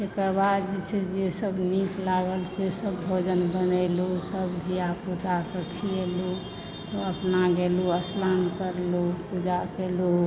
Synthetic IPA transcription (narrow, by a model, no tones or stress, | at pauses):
t̪ekəɾbad̪d͡ʒet͡ʃʰed͡ʒesəbniklaɡəlsesəbbʱod͡ʒənbənəlusəbbʱijapud͡ʒakəkʰielu | t̪ɔəpnaɡeluəslankəɾlupud͡ʒakelu